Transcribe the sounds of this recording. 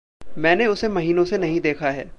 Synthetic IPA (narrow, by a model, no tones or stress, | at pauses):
mɛ̃ːneʊsemɐɦiːnõsenɐɦĩd̪eːkʰaɦɛː